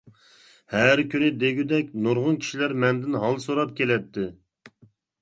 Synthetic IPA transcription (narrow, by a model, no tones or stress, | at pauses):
hæɾkʲynɪd̪eɡʲyd̪ɛkʲnoɾʁʊnkʲʰi̥ʃilæɾmɛnd̪ɪnɦɑlˠsoɾɑp̚kʲʰelɛt̪ʰːɪ